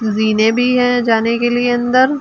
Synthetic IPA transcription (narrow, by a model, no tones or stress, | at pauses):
ziːnẽbʱiɦɛ̃d͡ʒaːnekelieɐ̃nd̪əɾ